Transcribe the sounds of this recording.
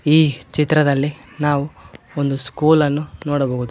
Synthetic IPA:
iːt͡ʃit̪ɾɐd̪ɐlːinaːʋuond̪uskuːlɐnːunoːɽɐboːɡud̪u

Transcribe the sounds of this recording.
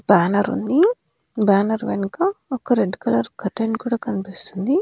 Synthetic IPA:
b̥aːnɐɾṵnd̪i | baːnɐɾʋenikɐɔkɐɾeɖkɐlɐɾkɐʈeɳkuːɽaːkɐnipist̪und̪i

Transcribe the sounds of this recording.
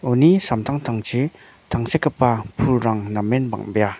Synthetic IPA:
ɔnisamt̪ʰaŋt̪ʰaŋt͡ʃʰi | tʰaŋsekapːapʰulɾaŋnamːenba̰ŋbija

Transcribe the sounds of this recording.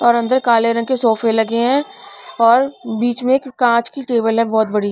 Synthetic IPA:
ɔːɾɐ̃nd̪əɾkaːleɾɐ̃ŋɡkesɔːfelɐɡeɦɛ̃ɔːɾbiːt͡ʃmẽkːãːt͡ʃkiʈeːbəlɦɛ̃bɔːt̪bɐɽi

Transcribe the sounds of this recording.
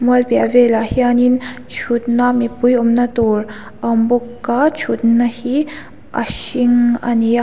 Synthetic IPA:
mɔlbjaʋelahianin | t͡ɕʰut̪namipujomnat̪oɾ | əmbukːat͡ʃʰut̪nahi | a̰ɕiŋa̰ni

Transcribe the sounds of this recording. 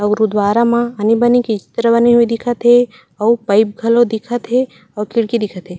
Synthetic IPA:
ɐɡɾud̪waːɾamãɐnibɐnikit͡ʃɪ̥t̪ɾəbɐniɦuid̪ɪkʰət̪ɦe | ɔːpɐɪp̚ɡʱɐlod̪ɪkʰət̪ɦe | ɔːkɪɽkid̪ɪkʰət̪ɦeː

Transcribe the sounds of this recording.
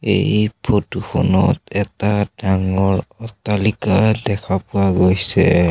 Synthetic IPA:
ḛjpʰotuxʰɔnɔ̰tɛtad̥aŋɔɹɔtalikadɛkʰapʊaɡojsɛ

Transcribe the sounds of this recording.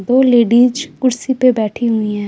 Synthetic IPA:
d̪oːleːɖiːd͡ʒkʊɽsipebɛːʈʰiɦʊiːɦɛ̃ː

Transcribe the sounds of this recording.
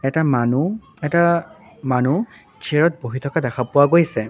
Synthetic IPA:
ɛtamanu | ɛta | manu | t͡ʃʰieɹɔt̚boɦitʰɔkadɛkʰapʊwaɡojsɛ

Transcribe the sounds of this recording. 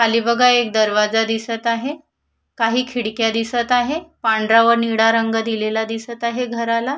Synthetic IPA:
kʰaliːbəɡaek̚d̪əɾʋad͡zad̪isət̪aɦe | kaɦiːkʰiɽkjad̪isət̪aɦepaɳɖɾaʋəɾniɽaɾəŋɡəd̪ilelad̪isət̪aɦeɡʱəɾala

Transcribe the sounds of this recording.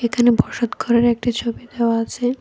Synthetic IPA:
ekʰanebʱɔʃot̪koɾeɾek̚ʈit͡ɕʰobid̪eoaat͡ɕʰe

